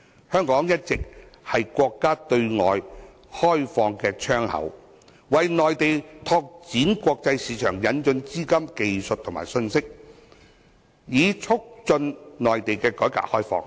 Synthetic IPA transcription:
hœː˥ŋkɔː˨˥ŋjɐ˥t̚t͡sɪ˨k̚hɐ˨jkʷɔː˧kːaː˥t̪ɵ˧ɥŋɔ̰ː˨j | hɔː˥jfɔː˧ŋkɛː˧t͡ʃʰœː˥ŋhɐ̰˨˥w | wɐ˨jnɔː˨jt̪e˨jt̪ʰɔː˧k̚t͡siː˨˥nkʷɔː˧k̚t͡sɐ˧jsiː˨˥t͡ʃʰœː˨˩ŋjɐ˨˧nt͡ʃɵ˧nt͡siː˥kɐ˥mke˨jsɵ˨t̪ʰʊ˨˩maː˨˩jsɵ˧nsɪ˥k̚ | jiː˨˧t͡ʃʰʊ˥k̚t͡sɵ˧nnɔː˨jt̪e˨jkɛː˧kɔː˨˥jka̰ː˧˥k̚hɔː˥jfɔ̰ː˧ŋ

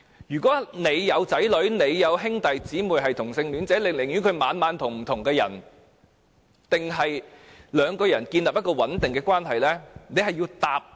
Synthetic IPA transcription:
jyː˨˩kʷɔː˨˥ne˨˧jːɐ˨˧wt͡sɐ˨˥jlɵ˨˥ɥne˨˧jːɐ˨˧wɦɪ˥ŋt̪ɐ˨jt͡siː˨˥muː˨jɦɐ˨jt̪ʰʊ˨˩ŋsɪ˧ŋlyː˨˧nt͡sɛː˨˥lɪ˨ŋlɪ˨˩ŋjyː˨˥kʰɵ˨˧ɥmaː˨˧nmaː˨˧nt̪ʰʊ˨˩ŋm̩˨˩t̪ʰʊ˨˩ŋkɛː˧jɐ̰˨˩n | t̪ɪ˨ŋɦɐ˨jlœː˨˧ŋkɔː˧jɐ˨˩nkiː˧nlɐ˨p̚jɐ˥t̚kɔː˧wɐ˨˥nt̪ɪ˨ŋkɛː˧kwaː˥nɦɐ˨jlɛː˥ne˨˧jɦɐ˨jiː˧wt̪aː˨p̚

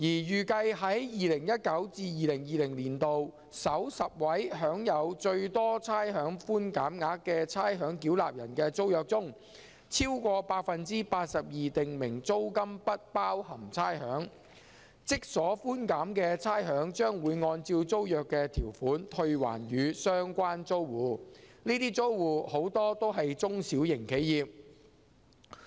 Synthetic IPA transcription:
jiː˨˩jyː˨kɐ˧jɦɐ˨˥jjiː˨lɪ˨˩ŋjɐ˥t̚kɐ˨˥wt͡siː˧jiː˨lɪ˨˩ŋjiː˨˧lɪ˨˩ŋliː˨˩nt̪o˨w | sɐ˨˥wsɐ˨p̚wɐ˨˥jɦœː˨˥ŋjɐ˨˧wt͡ʃɵ˧ɥt̪ɔː˥t͡sʰaː˥jɦœː˨˥ŋfuː˥nkaː˨˥mŋaː˨˧˥kːɛː˧t͡sʰaː˥jɦœː˨˥ŋkiː˨˥wla̰ː˨p̚jɐ̰˨˩nkɛː˧t͡so˥wjœː˨k̚t͡sʊ˥ŋ | t͡sʰiː˥wkʷɔː˧paː˧t̚fɐ˨nt͡siː˥paː˧t̚sɐ˨p̚jiː˨t̪ɪ˨ŋmɪ˨˩ŋt͡so˥wkɐ˥mpɐ˥t̚paː˥whɐ˨˩mt͡sʰaː˥jhœː˨˥ŋ | t͡sɪ˥k̚sɔː˨˥fuː˥nkaː˨˥mkɛ˧t͡sʰaː˥jɦœː˨˥ŋt͡ʃœː˥ŋwuː˨˧jŋɔː˧nt͡siː˧wt͡so˥wjœː˨kːɛː˧t̪ʰiː˨˩wfuː˨˥nt̪ʰɵ˧ɥwa̰ː˨˩nɥyː˨˧sœː˥ŋkʷaː˥nt͡so˥wwuː˨˧niː˥t̪iː˥t͡so˥wwuː˨˩ho˨˥wt̪ɔː˥t̪o˥wɦɐ˨jt͡sʊ˥ŋsiː˨˥wjɪ˨˩ŋkʰe˨˥jiː˨p̚

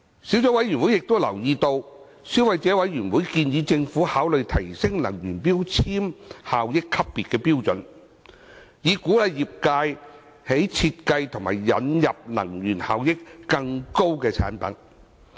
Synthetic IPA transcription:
siː˨˥wt͡sɔː˨˥wɐ˨˥jɥyː˨˩nwu˨˥jːɪ˨k̚t̪o˥wlɐ˨˩wjiː˧t̪o˧w | siː˨˥wɐ˨˧jt͡sɛː˨˥wɐ˨˥jɥyː˨˩nwu˨˥jkiː˧njiː˨˧t͡sɪ˧ŋfuː˨˥haː˨˥wlɵ˨˧ɥt̪ʰɐ˨˩jsɪ˥ŋlɐ˨˩ŋjyː˨˩npiː˥wt͡sʰiː˥mhaː˨wjɪ˥kʰːɐ˥p̚ːiː˨t̚kɛː˧piː˥wt͡sɵ˨˥n | jiː˨˧kuː˨˥lɐ˨˧jːiː˨p̚kaː˧j | he˨˥jt͡sʰiː˧t̚kɐ˧jt̪ʰʊ˨˩ŋma̰ː˨˩jːɐ̰˨˥njɐ˨p̚lɐ̰˨˩ŋjyː˨˩nha̰ː˨wjɪ˥kːɐ˧ŋko˥wkɛː˧t͡sʰa̰ː˨˥npɐ̰˨˥n

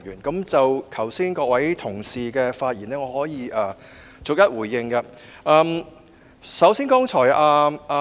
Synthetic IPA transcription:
jyː˨˩nkɐ˨˥mt͡sɐ˨wkʰɐ˨˩wsiː˥nkɔː˧k̚wɐ˨˥jt̪ʰʊ˨˩ŋsiː˨kɛː˧faː˧t̚jiː˨˩nɛː˥ŋɔː˨˧hɔː˨˥jiː˨˧ʔaː˧ | t͡sʊ˨k̚jɐ˥t̚wuː˨˩jːɪ˧ŋkɐ˧ | ʔaː˨˧m | sɐ˨˥wsiː˥nkɔː˥ŋt͡ʃʰɔː˨˩jʔaː˧aː˧

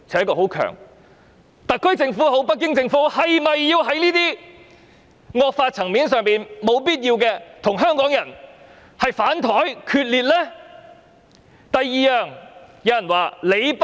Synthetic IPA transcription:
t͡sʰɛː˨˧˥kɔː˧˩ho˨˥wkʰœ̰ː˨˩ŋ | t̪ɐ˨t̚kʰːɵ˥ɥt͡sɪ˧ŋfuː˨˥ɦo˨˥wpɐ˥t̚kːɪ˥ŋt͡sɪ˧ŋfuː˨˥hɐ˨jmɐ˨jːiː˧wɦɐ˨˥jniː˥t̪iː˥ | ŋɔː˧k̚faː˧t̚t͡sʰɐ˨˩ŋmiː˨˥nsœː˨ŋpiː˨nmo˨˧wpiː˥t̚jiː˧wkɛː˧t̪ʰʊ˨˩ŋɦœː˥ŋkɔː˨˥ŋjɐ˨˩n | hɐ˨jfaː˨˥nt̪ʰɔː˨˥jkʰyː˧t̚liː˨t̚lɛː˥ | t̪ɐ˨jːiː˨˧jœː˨˩ŋjɐ˨˧wjɐ˨˩nwaː˨le˨˧jp

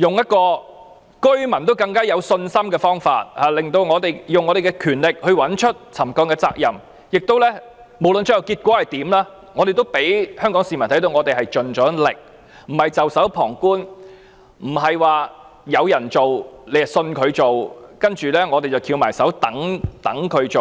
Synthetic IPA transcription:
jʊ˨ŋjɐ˥t̚kɔː˧ | kɵ˥ɥmɐ˨˩nt̪̬wkɐ˧ŋkaː˥jɐ˨˧wsɵ˧nsɐ˥mkɛː˧fɔː˥ŋfa̰ː˧t̚haː˨˩lɪ˨ŋt̪o˧wŋɔː˨˧t̪e˨jjʊ˨ŋɔː˨˧ɾe˨jkɛ˧kʰyː˨˩nlɪ˨k̚hɵ˧ɥwɐ˨˥nt͡ʃʰɵ˥t̚t͡sʰɐ˨˩mkɔː˧ŋkɛː˧t͡sa̰ː˧k̚jɐ˨m | jɪ˨k̚t̪o˥wlɛː˥ | mo˨˩wlɵ˨nt͡sɵ˥jɐ˨˩wkiː˧t̚kʷwɔː˨˥hɐ˨˩jt̪iː˨˥mlaː˥ | ŋɔː˨˧ɾe˨jt̪o˥wpe˨˥jhœː˥ŋkɔː˨˥ŋsiː˨mɐ˨˩nt̪ʰɐ˨˥jt̪o˧ŋɔː˨˧t̪e˨jɦɐ˨jt͡ʃɵ˨nt͡ʃɔː˨˥lɪ˨k̚ | m̩˨˩hɐ˨jt͡sɐ˨wsɐ˨˥wpʰɔː˨˩ŋkuː˥n | m̩˨˩ɦɐ˨jwaː˨˩ | jɐ˨˧wjɐ˨˩nt͡so˨wle˨˧jsɵ˧nkʰɵ˨˧ɥt͡so˨wkɐ˥nt͡ʃyː˨lɛː˥ŋɔː˨˧t̪e˨jt͡sɐ˨wkʰiː˨˧wmaː˨˩jsɐ˨˥wt̪ɐ˨˥ŋt̪ɐ˨˥ŋkʰɵ˨˧ɥt͡so˨w

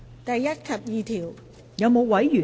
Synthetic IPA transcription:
t̪ɐ˨jːɐ˥t̚kʰɐ˨˩p̚jiː˨t̪ʰiː˨˩w | jɐ˨˧wmo˨˧wwɐ˨˥jːyː˨˩

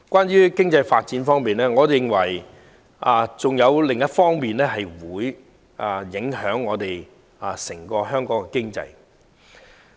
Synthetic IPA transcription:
kwʷaː˥njyː˥kɪ˥ŋt͡sɐ˧jfaː˧t̚t͡siː˨˥nfɔː˥ŋmiː˨nlɛː˥ŋɔː˨˧jɪ˨ŋwɐ˨˩j | ʔaː˨t͡sʊ˨ŋjɐ˨˧wlɪ˨ŋjɐ˥t̚fɔː˥ŋmiː˨nlɛː˥ɦɐ˨jwuː˨˥j | ʔa˨˩jɪ˨˥ŋɦœː˨˥ŋːɔː˨˧t̪e˨j | a˨sɪ˨˩ŋkɔː˧ɦœː˥ŋkɔː˨˥ŋkɛ˧kɪ˥ŋt͡sɐ̰˧j

